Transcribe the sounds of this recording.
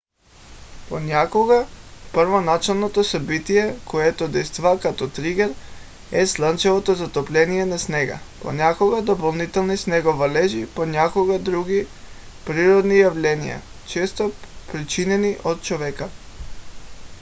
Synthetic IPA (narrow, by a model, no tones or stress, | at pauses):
ponʲakoɡapɾvonat͡ʃɛlˠnot̪osabit̪ijɛkoɛt̪od̪ɛjst̪vakat̪ɔt̪ɾiɡɛɾ | ɛslˠant͡ʃɛvot̪ozat̪oplʲɛnijɛnasnɛɡa̰ | po̰nʲakoɡad̪opolˠnit̪ɛlˠnisnɛɡovalɛʒipoɲakoɡad̪ɾuɡi | pɾiɾod̪nijavlʲɛnija̰ | t͡ʃɛst̪opɾit͡ʃinɛniʔot̪̚t͡ʃovɛka